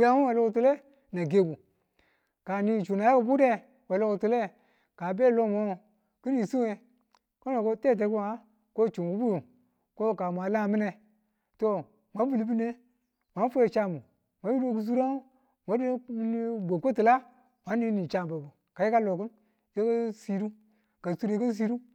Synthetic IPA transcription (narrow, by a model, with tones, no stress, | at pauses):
u˦ja˨˦mu˦we˨lo˦ku˨tu˨le˦ | na˨ɡe˨bu˨ | ka˨ni˦˨t͡ʃu˨na˨ja˦ku˨bu˦de˦ | we˨lo˦ku˨tu˨le˦ | ka˨be˦˨lo˦˨mo˦ | ki˦ni˨su˦e˨ | ko˦no˨ko˦te˦˨t̬e˨˦ku˦a˦ | ko˦˨t͡ʃu˨wu˦bu˦ju˨ | ko˦˨ka˨mʷ˨a˨la˦˨mi˦ne˨ | to˦ | mʷa˨˦bu˨li˨˦bi˦ne˦ | mʷa˨˦n˦fo˦e˨t͡ʃa˦˨mu˨ | mʷa˨˦ju˦do˦ku˨s̬u˦ɾa˦ | mʷa˨˦di˦ni˦bʷo˨kʷo˦ti˨la˦ | mʷa˨˦nː˦i˦ni˨t͡ʃa˦˨bo˨bu˨ | ka˨je˦ka˦lo˨ku˦n | je˦ka˦si˦ɾu˦ | ka˨su˦ɾe˨˦ka˦s̬i˦ɾu˦